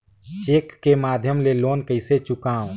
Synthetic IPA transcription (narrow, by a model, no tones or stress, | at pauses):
t͡ʃeːkːemaːd̪ʱjəmleloːnkəɪset͡ʃʊkãːõ